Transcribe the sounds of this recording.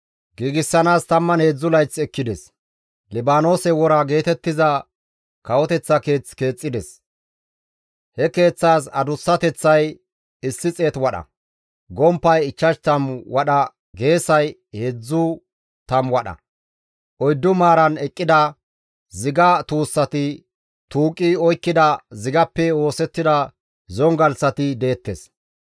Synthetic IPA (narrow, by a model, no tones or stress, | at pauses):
ɡiːɡɪsːɐnaːst̪ɐmːɐnhe̞ːd͡zːʊlɐjt͡sːɛkːɪd̪ɛs | lɪbaːno̞ːsɛwɔɾɐɡe̞ːt̪ɛt̪ːɪzɐ | kɐwɔt̪ɛt͡sːɐke̞ːt͡ske̞ːt͡sʼːɪd̪ɛs | hɛke̞ːt͡sːaːsɐd̪ʊsːɐt̪ɛt͡sːɐj | ɪsːɪt͡sʼe̞ːt̪wɐɗɐ̰ | ɡɔmpːɐjɪt͡ʃːɐʃt̪ɐmwɐɗɐ | ɡe̞ːsɐjhed͡zːʊ | t̪ɐmwɐɗɐ̰ | ʔɔjd̪ːʊmaːɾɐnɛkʼːɪd̪ɐ | zɪɡɐt̪uːsːɐt̪ɪ | t̪uːkʼːiɔjkːɪd̪ɐzɪɡɐpːɛo̞ːsɛt̪ːɪd̪ɐ | zɔŋɡɐlsɐt̪ɪd̪e̞ːt̪ːɛs